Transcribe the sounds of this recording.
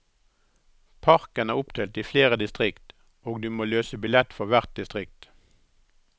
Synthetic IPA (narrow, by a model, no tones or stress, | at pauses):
pʰɑʁkənæːʁʊpt̪ʰeːlt̪iːfleːʁəd̪ɪst̪ʁɪkt̪ | oːɡd̪ʉːmoːløːsəbɪlɛt̪fɔʁʋæʁt̪̚d̪ɪst̪ʁɪk̚t̪